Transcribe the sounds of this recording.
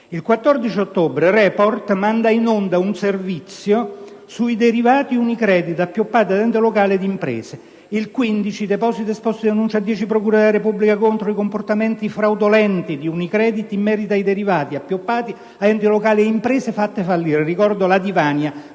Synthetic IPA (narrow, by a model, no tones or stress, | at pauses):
ilkwat̪ːɔrd̪it͡ʃiot̪ːoːbɾerɛːport̪mand̪ainond̪aunservit̪sːjo | suid̪eɾivaːt̪iunikɾɛːd̪it̪apːjopːaːt̪iad̪ɛnt̪elokaːled̪impɾḛːse | ilkwind̪it͡ʃid̪epɔsit̪espɔst̪id̪anunt͡ʃad̪ːjɛːt͡ʃip̬ɾokuːɾad̪elaɾepubːlikakont̪ɾoikomport̪ament̪ifɾawd̪olɛnt̪id̪iunikɾɛːd̪it̪imːɛːɾit̪aid̪eɾivaːt̪iapːjopːaːt̪i | ad̪ɛnt̪ilokaːlieimpɾeːsefat̪ːefalːiːɾerikɔrd̪olad̪ivaːnja